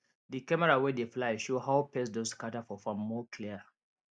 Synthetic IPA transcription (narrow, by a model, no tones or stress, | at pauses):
dikɛmɛɹawɛdeflaɪʃohaʊpɛsdoskatafɔfãmːɔkʰliə